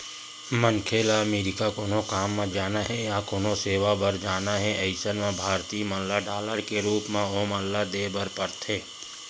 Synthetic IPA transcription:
mənkʰeːlaəmeːɾɪkakoːnõkaːmːãd͡ʒaːnaɦɛjakoːnoseːʋabəɾd͡ʒaːnaɦɛʔɐɪsənmẽbʱaːɾt̪iːmənlaɖaːləɾkeɾuːpmẽoːmə̃nlad̪eːbəɾpəɾt̪ʰeː

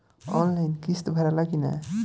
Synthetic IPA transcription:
ɔ̰nlajnkist̪bʱəɾalakina̰

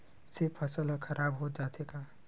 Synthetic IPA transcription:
sɪpʰːəsəlakʰəɾʔaːbɦod͡ʒaːt̪ekaː

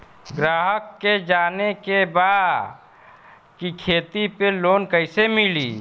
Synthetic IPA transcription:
ɡɾaːɦəkːed͡ʒaːnekebaːd̪ | kikʰeːt̪ipeloːnkəɪsemɪlḭː

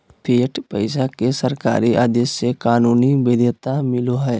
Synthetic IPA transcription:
pʰeːʈpəɪsakesəɾka̰ːɾiʔaːd̪esːekaːnuːnibeːd̪et̪amɪloɦɛː

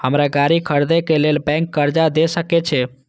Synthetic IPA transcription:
həmɾaɡaɾikʰəɾd̪ekelelbɛ̃ŋkːəɾd͡ʒad̪esəkɛt͡ʃʰɛ

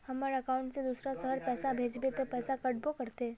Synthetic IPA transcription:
həmaɾəkauɳʈsed̪usɾasəɦəɾpɛsabʱed͡ʒbet̪əpɛsakəʈbokəɾt̪e

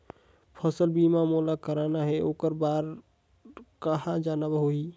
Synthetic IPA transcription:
pʰəsəlbimamolakəɾanaɦɛʔoːkəɾbaɾ | kəɦad͡ʒanabəɦoi

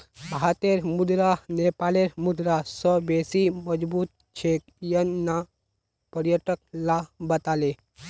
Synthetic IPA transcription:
bat̪eɾmud̪ɾanepaːleɾmʊd̪ɾasɔbeːsiməd͡ʒbuːt̪̚ | t͡ʃʰek | jənːa | pəɾjəʈək̚labət̪aːle

